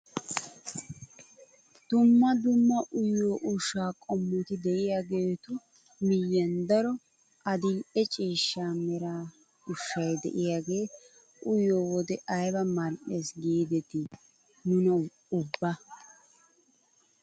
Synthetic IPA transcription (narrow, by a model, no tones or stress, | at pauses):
d̪̥ʊmːɐd̪ʊmːɐʔʊjːo̞ːʔʊʃːaːkʼɔmːʊt̪ɪd̪ɛʔɪjaːɡe̞ːt̪ʊ | mɪjːɐnd̪ɐɾɔ | ɐd̪ɪʔɛt͡ʃʼiːʃːaːmɛɾaː | ʊʃːɐjd̪ɛ̰ʔɪjaːɡe̞ː | ʔʊjoːwɔd̪ɛʔɐjbɐmɐnʔeːsɡiːd̪ɛt̪ɪ | nʊnɐ | ʊbːɐ